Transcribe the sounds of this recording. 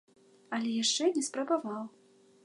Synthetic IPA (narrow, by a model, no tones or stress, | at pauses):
ɐlʲɛjaʂt͡ʂɛnʲɛspɾɐbavaw